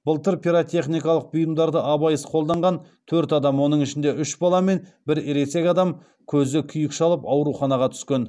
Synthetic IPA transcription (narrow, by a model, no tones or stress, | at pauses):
b̥əlˠt̪əɾpʰʲiɾot̪ʰe̞χnijkɑlˠəq̚bijəmd̪ɑɾd̪əʔɑbɑjəsqʰo̞lˠd̪ɑɴʁɑnt̪ʰɵɾt̪ɑd̪ɑmwo̞nəɴɪʃɪnd̪e̞ʔʏʃbɑlˠɑme̞nbɪɾeɾese̞kʲɑd̪ɑm | kʲʰɵzɪkʲʰʏjɪkʃɑlˠəpɑwɾuχɑnɑʁɑt̪ʰʏ̥skʲe̞n